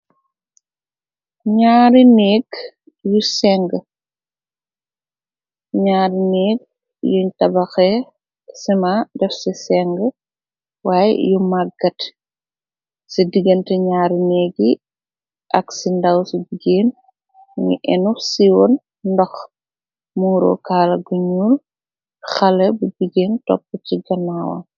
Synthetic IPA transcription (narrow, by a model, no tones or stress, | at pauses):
ɲaːɾinɛːɡ | jusɛŋɡə | ɲaːɾinɛːɡ̚ | juɲtɐbɐxɛ | simadɛfsisɛŋɡə | waːjɛ̰jumaɡɐt | sidiɡɐntɛɲaːɾnɛːɡi | ʔɐksindɐwsibiɡeːn | ŋḭʔɛnusiwɔn | ndɔx | muːɾɔ̰kaːlɐɡuɲul | xɐlɛbubiɟeːntɔ̰pːəciɡɐnawɐ̰